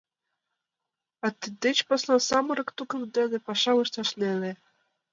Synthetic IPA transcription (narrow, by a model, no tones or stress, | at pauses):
ɑt̪id̪et͡ɕpɑslˠɑsɑmɤ̆ɾɤ̆kt̪ukɤ̆md̪enĕpɑʃɑlɤʃt̪ɑʃlelĕ